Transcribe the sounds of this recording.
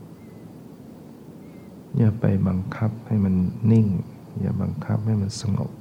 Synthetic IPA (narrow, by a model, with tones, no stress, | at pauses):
jaː˧˩pa̰˨˩jba˨ŋkʰa˧˥p̚ha˧˩jma˧˥˨nːi˧˩˨ŋ | ja̰ː˧˩ba˨ŋkʰa˧˦p̚ha˥˩˨jma˧˨nsa˧ŋo̰˧˩k̚